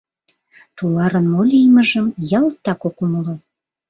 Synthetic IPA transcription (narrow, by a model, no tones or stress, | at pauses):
t̪ulɑɾənmolʲijməʒəmjɑlt̪ːɑkokuməlo